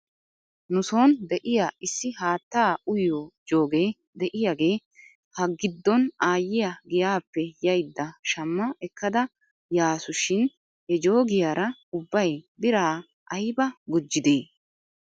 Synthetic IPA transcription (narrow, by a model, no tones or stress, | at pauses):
nʊso̞ːnd̪ɛʔɪjaːʔɪsːɪhaːt̪ːaːʊjoːd͡ʒo̞ːɡe̞ː | d̪ɛʔɪjaɡe̞ː | hɐɡɪd̪ːɔnaːjːɪjɐɡɪjaːpːɛjɐjd̪ːɐʃɐmːɐɛkːɐd̪ɐ | jaːsʊʃɪn | ɛd͡ʒoːɡɪjaːɾɐʊbːɐjbɪɾaː | ʔɐjbɐɡʊd͡ʒːɪd̪eː